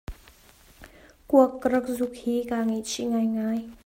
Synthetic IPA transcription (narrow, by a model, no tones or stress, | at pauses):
kuəkːəɾək̚zuk̚hikaŋeʔt͡ʃʰiʔŋajŋaj